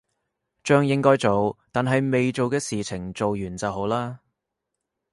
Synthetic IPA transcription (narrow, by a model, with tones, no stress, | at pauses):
t͡ʃœː˧ŋjɪ˥ŋkɔː˥jt͡so˨wt̪aː˨nɦɐ˨jme˨jt͡so˨wkɛː˧siː˨t͡sʰɪ˨˩ŋt͡so˨wjyː˨˩nt͡sɐ˨wɦo˨˥wlaː˥